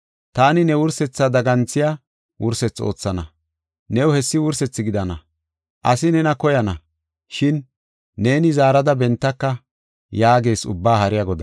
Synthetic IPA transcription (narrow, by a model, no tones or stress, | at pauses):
t̪aːnɪnɛwʊɾsɛt͡sːad̪ɐɡɐnt͡sːɪja | wʊ̰ɾsɛt͡sːo̞̰ːt͡sːɐnɐ | nɛwʊhɛsːɪwʊɾsɛt͡sːɪɡɪd̪ɐnɐ | ʔɐsɪnɛnɐkɔjɐnɐ | ʃɪnː | e̞ːnɪzaːɾɐd̪ɐbɛnt̪ːɐkːɐ | jaːɡe̞ːsʊ̰bːaːhɐɾɪjɐɡɔd̪ɐ